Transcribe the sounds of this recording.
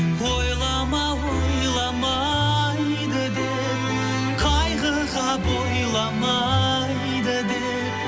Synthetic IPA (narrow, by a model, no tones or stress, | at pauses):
bojlˠɑmɑbojjlˠɑmɑ | j | d̪əd̪e | qʰɑjʁə | ʁɑbojlˠɑmɑ | j | d̪əd̪e